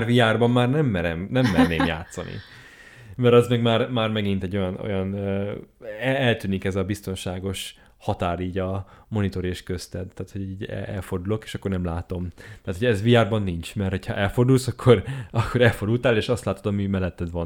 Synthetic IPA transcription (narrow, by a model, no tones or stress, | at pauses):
rvijaːrbɒmːaːrnɛmːɛɾɛmnɛmːɛrneːmmja̰ːt̪sɒ̰nḭ | mɛɾɛzmɛɡmaːrmaːrmɛɡint̪ɛɟːo̞jɒno̞̰jɒnː | ɛɛlt̪yːnikɛzɒbist̪o̞nʃaːɡo̞ʃ | hɒt̪aːɾiːɟɒmo̞nit̪o̞ɾeʃkøst̪ɛd̪t̪aːt̪ho̞ɟiːɟɛ̰ʔɛlfo̞rd̪ulo̞keːʃɒkːo̞rnɛmlaːt̪o̞mt̪aːt̪ʰhoɛzviaːrbɒnːint͡ʃmɛrt̪ho̞cʰhɒ̰ʔɛlfo̞rd̪ulsɒkʰːo̞rɒkʰːo̞ɾɛlford̪ult̪aːleːʃɒst̪laːt̪o̞d̪ɒmimɛlːɛt̪ːɛd̪vɒn